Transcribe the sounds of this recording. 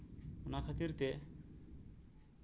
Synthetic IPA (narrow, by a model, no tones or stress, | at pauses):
onakʰat̪iɾt̪e